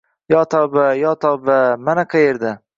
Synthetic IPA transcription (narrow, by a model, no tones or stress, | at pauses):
jɒt̪ʰɒbajɒt̪ʰɒbamanaqʰɑjeɾd̪a